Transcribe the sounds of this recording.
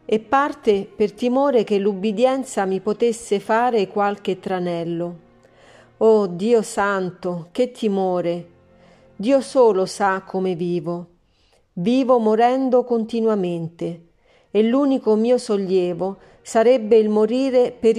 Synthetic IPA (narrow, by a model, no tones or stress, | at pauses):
epːart̪epert̪imoːɾek̟elːubːid̪jɛnt̪samipot̪esːefaːɾekwalk̟et̪ːɾanɛlːo | ɔːd̪iːosant̪ok̟et̪ʰːimoːɾe | d̪iːosoːlosakʰːomeviːvo | viːvomoɾɛnd̪okont̪inwament̪e | elːuːnikomiːosoljɛːvo | saɾɛbːeilmoɾiːɾepeɾ